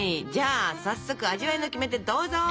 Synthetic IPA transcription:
id͡ʑaːsasːo̞kɯ̟aʑiβaino̞kʲime̞t̪e̞d̪o̞ːzo

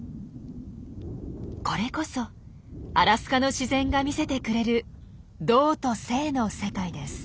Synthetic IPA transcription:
ko̞ɾe̞ko̞so̞ | aɾasɨ̥kano̞ɕizẽ̞ŋɡamʲise̞t̪e̞kɯ̟ɾe̞ɾɯ̟ | d̪o̞ːt̪o̞se̞ːno̞se̞kaid̪e̞sɨ̥

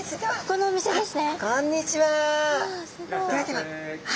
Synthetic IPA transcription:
konoːmʲise̞d̪e̞sɨnekõɲ̟ːit͡ɕiβa | sɨɡoɾat̪ema

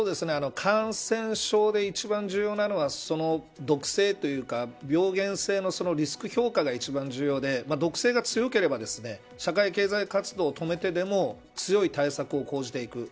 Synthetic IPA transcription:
soːd̪e̞sɨne̞ano̞kʰãɰ̃sẽ̞ɰ̃ɕo̞ːd̪e̞it͡ɕibãɲ̟d͡ʑɨːjo̞ːnano̞βaso̞no̞ | d̪o̞kɯ̟̥se̞ːt̪o̞jɯ̟ːkabʲjo̞ːɡẽ̞ɰ̃se̞ːno̞so̞no̞ɾʲisɨ̥kɯ̟ço̞ːkaɡait͡ɕibãɲ̟d͡ʑɨːjo̞ːd̪e̞mad̪o̞kɯ̟̥se̞ːɡat͡sɨjo̞ke̞ɾe̞bad̪e̞sɨne̞ | ɕakaike̞ːzaikat͡sɨd̪o̞ːt̪o̞me̞t̪e̞d̪e̞mo̞ | t͡sɨjo̞it̪aisakɯ̟o̞ko̞ːʑit̪e̞ikɯ̟

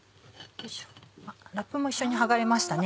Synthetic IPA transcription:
aɾakːɯ̟mo̞iɕːo̞ɲ̟iɦaɡaɾe̞maɕi̥t̪ane

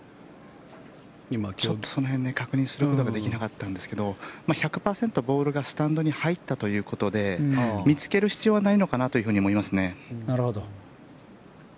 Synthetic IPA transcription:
imat͡ɕo̞t̪ːo̞so̞no̞ɦenːe̞kakɯ̟ɲ̟ĩɰ̃sɨɾɯ̟kot̪o̞ɡad̪e̞kʲinakat̪ːãnd̪e̞sɨ̥ke̞d̪o̞maçakɯ̟̥paːsẽ̞nt̪o̞bo̞ːɾɯ̟ɡasɨ̥t̪ãnd̪o̞ɲ̟ihait̪ːat̪o̞jɯ̟ːko̞t̪o̞d̪e̞mʲit͡sɨ̥ke̞ɾɯ̟çi̥t͡sɨjo̞ːβanaino̞kanat̪oiɯ̟ɦɯ̟ɲiomo̞imasɨne̞naɾɯ̟hod̪o

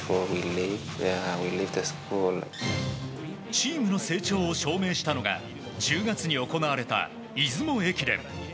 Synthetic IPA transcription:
ɔwilivwilivt̪ɨskul | t͡ɕiːmɯ̟no̞se̞ːt͡ɕo̞ːɕo̞ːme̞ːɕi̥t̪ano̞ɡa̰ | d͡ʑɨːɡat͡sɨɲ̟io̞ko̞naβaɾe̞t̪a̰ | izɨmo̞e̞kʲiɾẽ̞̰m̰

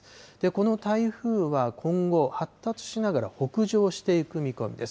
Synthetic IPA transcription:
d̪̥e̞ko̞no̞t̪aiɸɯ̟ːβakʰõ̞ŋɡo̞hat̪ːat͡sɨ̥ɕinaɡaɾaho̞kɯ̟ʑo̞ːɕi̥t̪e̞ikɯ̟mʲiko̞̰mʲḭd̪e̞s

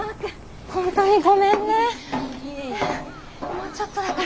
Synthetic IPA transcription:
hõnt̪oɲ̟iɡomẽnːe | mot͡ɕot̪ːod̪ak

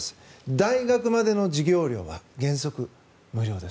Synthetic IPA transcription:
sɨ̥d̪aiɡakɯ̟mad̪e̞no̞d͡ʑiɡʲo̞ːɾʲjo̞̰ːβa̰ɡẽ̞ɰ̃so̞kɯ̟ | mɯ̟ɾʲjo̞ːd̪e̞s

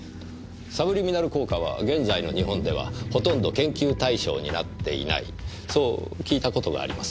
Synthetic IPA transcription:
sabɯ̟ɾʲimʲinaɾɯ̟ko̞ːkaβ̞a̰ɡẽ̞nzaino̞ɲ̟iɦõ̞nd̪e̞βa̰ho̞t̪õ̞nd̪o̞kẽ̞ŋkʲɨːt̪aiɕo̞̰ːɲ̟ina̰t̪ːe̞ḭna̰ḭ | so̞ːkʲiːt̪ako̞t̪o̞ɡa̰ːɾʲimasɨ̥

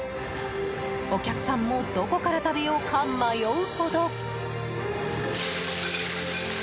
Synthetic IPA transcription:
okʲakɯ̟̥sãmːo̞d̪o̞ko̞kaɾat̪abe̞jo̞ːkʰamːajoɯ̟ho̞d̪o

